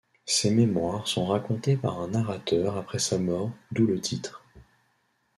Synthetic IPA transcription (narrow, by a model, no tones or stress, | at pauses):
sememwaʁsɔ̃ʁakɔ̃t̪epa̰ʁɛ̃naʁat̪œʁapχɛsamɔːʁd̪ulət̪ʰit̪χ